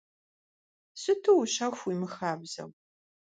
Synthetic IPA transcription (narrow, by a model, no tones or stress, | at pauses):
sɨtʰɨwɕɐxʷimɨxaːbz̥ɐ̰w